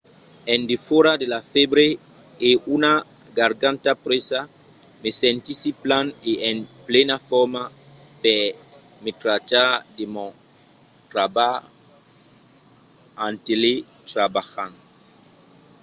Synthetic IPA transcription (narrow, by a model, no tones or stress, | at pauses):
ẽnd̪efoɾad̪elafebɾeeunaɡaɾɡãnt̪apɾesamesẽnt̪isiplaneʔenplenafɔɾmapɛmet̪ɾatad̪emo | t̪ɾaba | ant̪elet̪ɾabaxan